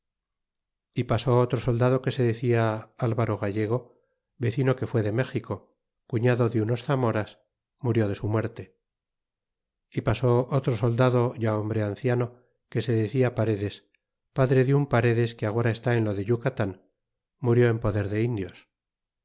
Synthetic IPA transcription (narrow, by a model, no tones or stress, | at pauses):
ipaso̞ot̪ɾo̞so̞ld̪að̞o̞ke̞se̞ðe̞θiaalβaɾo̞ɣaʝe̞ɣ̞o̞ | βe̞θino̞ke̞fwe̞ðe̞me̞xiko̞ | kuɲaðo̞ðeuno̞sθamo̞ɾas | muɾjo̞ð̞e̞sumwe̞ɾt̪e̞ | ipaso̞ʔot̪ɾo̞so̞ld̪aðo̞ʝao̞mbɾe̞anθjano̞ | ke̞se̞ðeθiapaɾe̞ðe̞s | paðɾe̞ðeumpaɾe̞ðe̞skeaɣ̞o̞ɾae̞st̪ae̞nlo̞ðe̞ʎukat̪an | muɾjo̞e̞mpo̞ðe̞ɾðe̞ind̪jo̞s